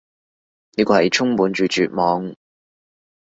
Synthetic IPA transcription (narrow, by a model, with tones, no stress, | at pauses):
niː˥kɔː˧hɐ˨jt͡ʃʰʊ˥ŋpuː˨˧˥nt͡ʃyː˨˧t͡ʃyː˨t̚mɔː˨˧ŋ